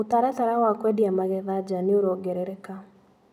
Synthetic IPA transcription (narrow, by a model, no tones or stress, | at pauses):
otaɾataɾawakwɛdiamaɣɛðad͡ʑaneoɾɔɡɛɾɛɾɛka